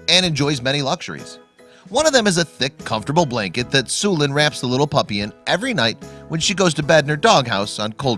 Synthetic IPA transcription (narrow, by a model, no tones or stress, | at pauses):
ɨ̃nɨ̃nd͡ʒɔɪzmɛnilʌkʃə̰˞ḭz̥ | wʌ̃nʌvðɨ̃mɨzɨθɪkʰːʌ̃ɱftə˞bl̩ˠblæ̃ŋkɨt̪̚ðɨtsulˠɨ̃nɹæpsðəlɪɾl̩ˠpʰʌpiɨ̃nʔɛvɹinaɪt̚wə̃nʃiɡoʊz̥tɨbædⁿnə˞dɔɡɦaʊsn̩kʰoʊlˠ